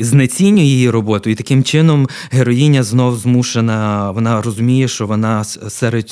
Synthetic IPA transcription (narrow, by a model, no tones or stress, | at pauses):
znɐt͡sʲinʲːʊjijiɾɔbɔt̪ʊjʊit̪ɐkɪmt͡ʃɪnɔm | ɦeɾɔjinʲɐznɔwzmuʃenɐʋɔnɑɾɔzʊmʲijɛʃt͡ʃɔʋɔnɑsɛɾed̪